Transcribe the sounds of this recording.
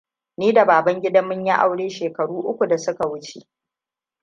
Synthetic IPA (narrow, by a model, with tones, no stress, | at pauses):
niː˦da˨baː˨bɐ˦ŋɡʲɪ˦dɐ˦mːʊ˦ɲji˦ʔa̰˨wɽeː˦ʃeː˨kɐ˨ɽuː˦ʔʊ˦kʷu˨da˨sʊ˦ka˨wʊ˦t͡ʃḛ˨ʔ